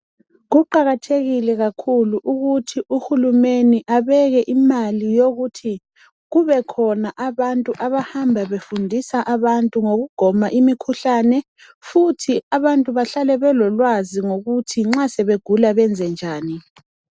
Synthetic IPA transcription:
ɣuǃaɣatʰeɣilɛɣakʰuluʔuɣutʰiʔuhulumeniʔaβɛɣɛʔimalijoɣutʰi | ɣuβɛkʰɔnaʔaβantʼuʔaβahambʱaβefundʱisaʔaβantʼuŋoɣuɡ̥ʱɔmaʔimikʰuɬaːnɛ | futʰiaβantʼuβaɬalɛβɛlɔlwaziŋoɣutʰiŋ͡ǁasɛβeɡ̥ʱulaβɛnd͡zʱɛnd͡ʒʱaːni

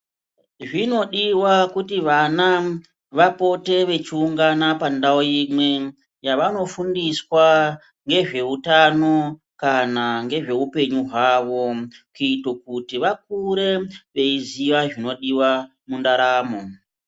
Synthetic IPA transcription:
ʐino̞ɗiwakutiʋana | ʋapo̞te̞ʋe̞t͡ʃiuŋɡanapandaojimwe̞ | jaʋano̞fundiswa | ŋɡe̞ʐe̞utano̞ | kanaŋɡe̞ʐe̞upe̞ɲuɦwaːʋo̞kiitok̚utiʋak̚uɾe̞ʋe̞iziʋaʐino̞ɗiwa | mundaɾaːmo

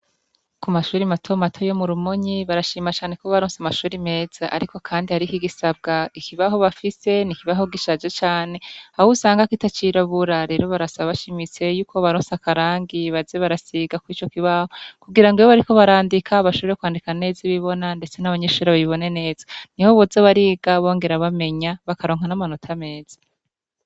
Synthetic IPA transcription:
kumaʃuːɾimatʰomatʰo̞jomuɾumoɲiβaɾaʃiːmat͡ʃaːne̞koβaɾoːnsamaʃuːɾime̞ːz̥aʔa̰ɾiko̞kʰaːndihaɾikiɡisab̚ɡaikiβaɦo̞βafise̞nikiβaɦo̞ɡiʃad͡ʒet͡ʃaːne̞hahusaːŋɡakitat͡ʃiɾaβuɾaɾe̞ɾo̞βaɾasaβaβaʃimit͡se̞juːkʰo̞βaɾoːnsakaɾaːŋɡiβazeβaɾasiɡakwit͡ʃo̞kiβahokuɡiɾaŋɡeoβaɾiko̞βaɾaːndikʰaβaʃoβeɾekwaːndikane̞ːziβiβo̞nande̞t͡se̞naβaɲeːʃuɾaβaβiβo̞ne̞ne̞ːzaniho̞βozoβaɾiːɡ̥aβo̞ːŋɡe̞ɾaβame̞ɲaβakaɾo̞ːŋ̥anamano̞tʰame̞ːz̥ḁ

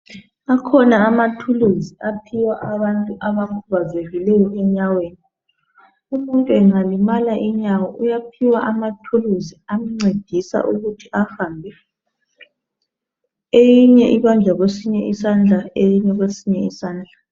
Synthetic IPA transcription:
akʰɔnaːmatʰuluziapʰiwaʔaβantʼuʔaβakʰuβazeɣilɛjɔʔɛɲaweːni | umuntʼuɛŋ͡ǀalimalaʔiɲawɔʔujapʰiwaʔamatʰuluziamiŋ͡ǀed̥ʱisa̰ʔuɣutʰiafambʱɛ | ejiɲɛʔiβand͡ɮʱaɣwesiɲɛʔisand͡ɮʱaejiɲɛɣwesiɲɛisaːnd͡ɮʱa

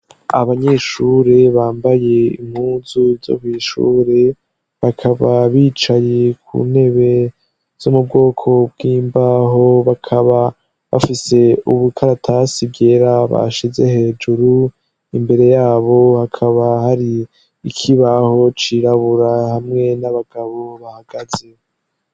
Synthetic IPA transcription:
aβaɲe̞ːʃuːɾe̞βaːmbaje̞ḭmhuːzuzo̰kwiːʃṵːɾe̞ | βakʰaβaβiːt͡ʃaje̞kʰṵne̞βe̞ | z̥omub̚ɡo̞ːkʰo̞b̚ɡiːmbaɦo̞βakʰaβa | βa̰fise̞uβukʰaɾatʰasiɡɡe̞ɾaβa̰ʃize̞he̞d͡ʒuɾu | imbe̞ɾe̞jaːβo̞hakʰaβahaɾiː | kʰiβaho̞t͡ʃiɾaβuɾahamŋe̞naβaɡ̥aβo̞βahaɡ̥az̥e̞

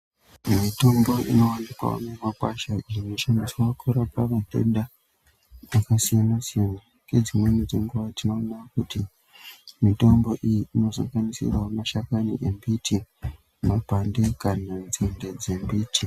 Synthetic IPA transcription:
mito̞mbo̞ʔḭno̞wanipa̰o̰nemakwaʃairimeʃanisowakʰuɾapaʋate̞̰nda | ʋakasijanasijana | ked͡zimwe̞nid͡zeŋɡuʋatino̞ːnakuti | mito̞mbo̞ʔijiino̞za̰ŋɡanisḭrwamaʃakanḭʔembitʰi | mapandekanand͡zende̞d͡ze̞mbiti

